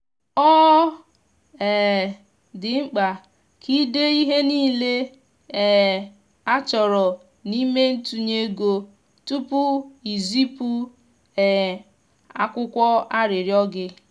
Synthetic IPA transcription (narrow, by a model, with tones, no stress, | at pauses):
ɔ˦ | ɛ˨ | dɪ˨ŋ͡m̩˦k͡pa˨ | kʰi˦de˦i˦ɦe˦niː˦˨le˦˨ | a˦t͡ʃɔ˨ɾɔ˨ | ni˦me˦n̩˦tu˦ɲe˦ɡo˦ | tu˦pʊ˦i˨zi˦pu˦ | ɛ˨ | a˦kʷʊ˦kʷɔ˦a˦ɾɪ˨ɾjɔ˦ɡɪ˦